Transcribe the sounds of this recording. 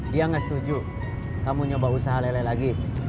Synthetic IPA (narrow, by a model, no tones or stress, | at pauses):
diaŋast̪ud͡ʒu | kamuɲobausaɦalalajlaɡi